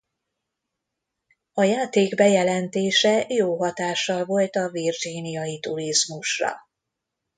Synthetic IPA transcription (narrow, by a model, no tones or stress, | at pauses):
ɒjaːt̪eːɡbɛjɛlɛnt̪eːʃɛjoːɦɒt̪aːʃːɒlvo̞lt̪ɒvird͡ʒinijɒjit̪uɾizmuʃrɒ̰